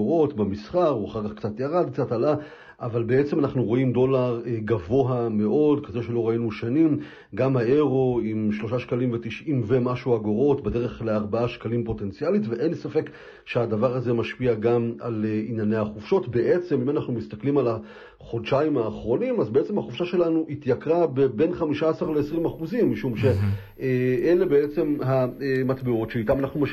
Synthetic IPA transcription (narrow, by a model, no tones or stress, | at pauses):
oʁo̞tbemisχaʁuaχaʁkaχkt͡sat̪jaʁad̪̚k̚t͡satala | ʔavalbeet͡se̞manaχnuʁo̞imdo̞laʁeɡavo̞ɦame̞ʔo̞dkaze̞ʃelo̞ʁainuʃanim | ɡamhae̞ʁo̞imʃlo̞ʃaʃkalimvet̪iʃʔimve̞maʃuaɡoʁo̞tbede̞ʁe̞χleaʁbaaʃkalimpo̞te̞nt͡sialitveʔensafe̞k | ʃeadavaʁaze̞maʃpiaɡama̰leinjane̞jaχufʃo̞tbe̞ʔe̞t͡se̞mimanaχnumist̪aklimala | χo̞dʃaimaːχʁo̞nimazbee̞t͡semhaχufʃaʃe̞lanuʔit̪jakʁabebe̞nχamiʃaːsaʁleesʁimaχuzimːiʃumʃe̞ | eʔele̞be̞et͡se̞mɦaematbeo̞tʃeitamanaχnuma